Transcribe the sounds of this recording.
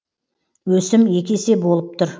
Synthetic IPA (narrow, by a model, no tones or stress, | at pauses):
wɵsɪmje̞kʲe̞se̞bo̞lˠəp̚t̪ʰʊɾ